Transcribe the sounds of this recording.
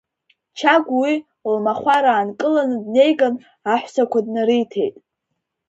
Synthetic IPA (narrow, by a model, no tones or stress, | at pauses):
t͡ʃʰaɡʷwi | lmaχʷaɾaːnkʼɨlanɨdne̞jɡan | aħʷsakʷʰadnɨɾɨjtʰe̞jtʼ